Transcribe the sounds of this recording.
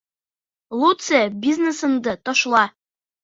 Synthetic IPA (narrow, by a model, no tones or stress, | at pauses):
lˠut̪sebʲiznesɤ̆nd̪ɤt̪ɒʃlˠɑ